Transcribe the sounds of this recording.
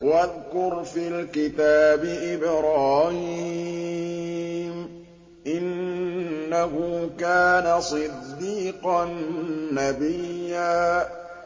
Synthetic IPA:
waðkʊɾfiːlkɪt̪aːbɪʔɪbɾaːhi | m | ʔɪnː | ahʊkaːnasˤɨd̪ːiːqɑnːabɪjːaː

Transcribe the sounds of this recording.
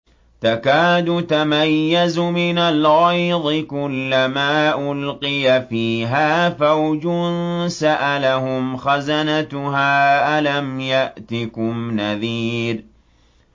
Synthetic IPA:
t̪akaːd̪ʊt̪amajːazʊmɪnalɣɑjðˤɨkʊlːamaːʔʊlqɪjafiːɦaːfawd͡ʒʊnsaʔalahʊmxazanat̪ʊɦaːʔalamjaʔt̪ɪkʊmnaðiːɾ

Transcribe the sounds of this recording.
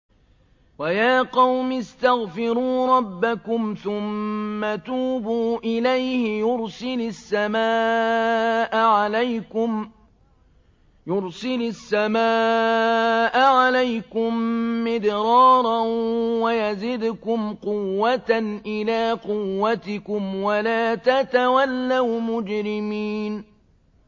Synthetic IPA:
wajaːqɑwmɪst̪aɣfɪɾuːɾˤɑbːakʊmθʊmːat̪uːbuːʔɪlajhɪjʊɾsɪlʊsːamaː | ʔaʕalajkʊm | jʊɾsɪlʊsːamaː | ʔaʕalajkʊmːɪd̪ɾɑːɾˤɑnwajazɪd̪ʊkʊmqʊwːat̪anʔɪlaːqʊwːat̪ɪkʊmwalaːt̪at̪awalːawmʊd͡ʒɾɪmiːn

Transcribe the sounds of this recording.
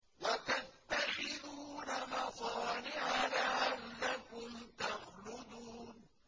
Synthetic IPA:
wat̪at̪ːaxɪðuːnamɑsˤɑːnɪʕalaʕanːakʊmt̪ɑxlʊd̪uːn

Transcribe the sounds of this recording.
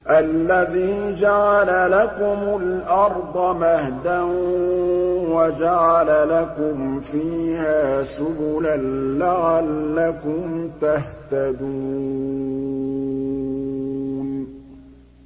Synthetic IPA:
ʔalːaðiːd͡ʒaʕalalakʊmʊlʔɑɾˤd̪ˤɑmahd̪an | wad͡ʒaʕalalakʊmfiːhaːsʊbʊlanlaʕalːakʊmt̪aht̪ad̪uː | n

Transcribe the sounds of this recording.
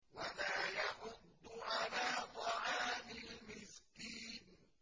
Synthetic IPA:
walaːjaħʊd̪ːʊʕalaːt̪ˤɑʕaːmɪlmɪskiːn

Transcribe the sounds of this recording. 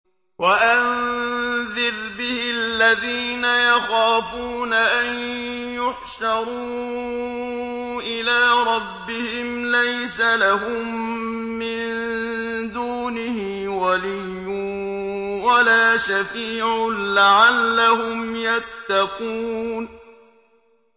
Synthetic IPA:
waʔan | ðɪɾbɪhɪalːaðiːnajaxaːfuːnaʔanjʊħʃɑɾˤuː | ʔɪlaːɾˤɑbːɪhɪmlajsalaɦʊmː | ɪn | d̪uːnɪhɪ | walijːʊ | walaːʃafiːʕʊlaʕalːaɦʊmjat̪ːɑquːn

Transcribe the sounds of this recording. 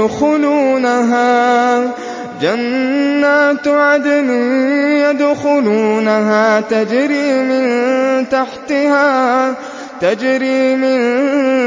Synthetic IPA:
xʊluːnaɦaː | d͡ʒanːaːt̪ʕad̪niːjad̪ʊxʊluːnaɦaːt̪ad͡ʒɾiːmɪnt̪aħt̪ɪhaː | t̪ad͡ʒɾiːmɪn

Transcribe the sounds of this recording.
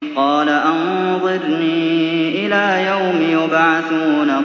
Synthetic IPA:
qɑːlaʔanðˤɨɾniːʔɪlaːjawmɪjʊbʕaθuːna

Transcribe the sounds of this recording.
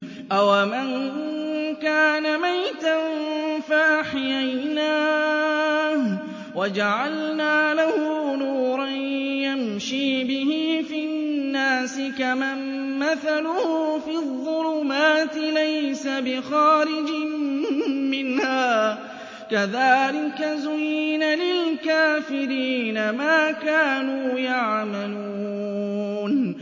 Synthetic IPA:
ʔawaman | kaːnamajt̪anfaʔaħjajnaː | wad͡ʒaʕalnaːlahʊnuːɾˤɑnjamʃiːbɪhiːfiːnːaːsɪkamamː | aθalʊhfiːðˤːʊlʊmaːt̪ɪlajsabɪxɑːɾɪd͡ʒɪm | mɪnhaː | kaðaːlɪkazʊjnalɪlkaːfɪɾiːnamaːkaːnuːjaʕmaluː | n

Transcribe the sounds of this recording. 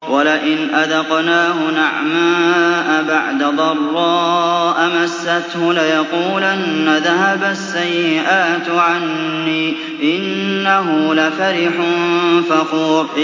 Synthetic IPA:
walɪʔɪnʔaðɑqnaːhʊnaʕmaːʔabaʕd̪ad̪ˤɑrˤːɑːʔamasːat̪hʊlɪjɑquːlʔanːaðaɦabasːajːɪʔaːt̪ʕanː | iː | ʔɪnːaɦʊlafaɾɪħʊfɑquːɾ

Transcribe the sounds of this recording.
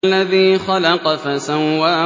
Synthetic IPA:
lːaðiːxɑlɑqɑfasawːaː

